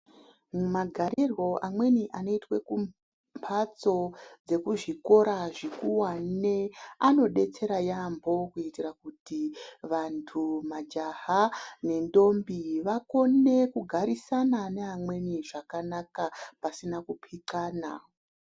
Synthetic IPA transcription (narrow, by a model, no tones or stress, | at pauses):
mumaɡʱaɾirwo̞ʔamwe̞niʔano̞itwe̞kum | mpʰat͡so̞d͡ze̞kuʐiko̞ɾaʐikuwaneano̞ɗe̞t͡se̞ɾajambo̞kuitirakutiʋantʰumad͡ʒaɦane̞ndo̞mbiʋako̞ne̞kuɡʱaɾisananeamwe̞niʐakanakapasinakupʰikaːna